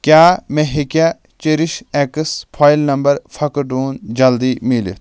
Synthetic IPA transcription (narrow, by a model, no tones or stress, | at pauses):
kʲjaːmẽɦikja | t͡ʃeɾiʃeːkəspʰaːjilnɐmbɐɾfʰɐkɖuːnd͡ʒɐld̪iːmilḭ